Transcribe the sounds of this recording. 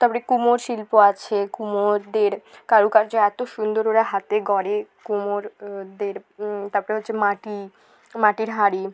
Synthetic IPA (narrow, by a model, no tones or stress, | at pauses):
t̪apoɾekumoɾʃilpoat͡ɕʰekumoɾd̪eɾkaɾukaɾd͡ʑaɛt̪oʃund̪oɾoɽaɦat̪eɡɔɽekumoɾd̪eɾt̪apoɾeɦot̪ːɕʰemaʈi | maʈiɾɦaɾi